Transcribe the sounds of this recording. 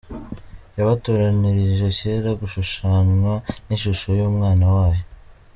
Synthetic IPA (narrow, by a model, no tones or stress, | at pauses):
jaβatuɾaniɾiʒe̞ceɾaɡuʃuʃaːnwaninʃuʃojuːmŋaːnawaːjo